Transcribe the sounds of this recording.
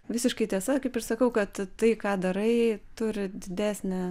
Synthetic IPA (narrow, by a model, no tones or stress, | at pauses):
ʋʲɪsʲɪʃkɐɪt̪ʲiɛsɐkɐɪpɪrsɐkɐʊkɐt̪tɐɪkɑːd̪ɐɾɐɪt̪ʊɾʲɪd̪ʲɪd̪ʲæːsʲnʲɛ